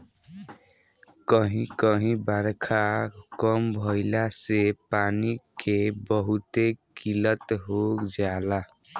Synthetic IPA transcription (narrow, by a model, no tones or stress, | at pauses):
kʌɦĩkʌɦĩbaɾkʰakʌmbʱʌjlasepanikʰebʌɦut̪ekilʌt̪ɦod͡zala